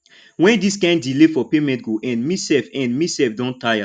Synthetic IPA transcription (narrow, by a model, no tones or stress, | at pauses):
wɛ̃ndiskãɪ̃nddilefɔpemɛ̃nt̚ɡoʔɛ̃nmisɛlfɛ̃nmisɛfdɔ̃ntaja